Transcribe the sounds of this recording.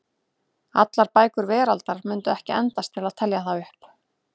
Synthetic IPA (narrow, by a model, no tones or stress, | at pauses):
at̪laɾpaːjkʏɾvɛːɾalt̪aɾ̥mʏnt̪ʏɛhcɪɛnt̪ast̪ʰɪlaðt̪ʰɛljaθawʏhp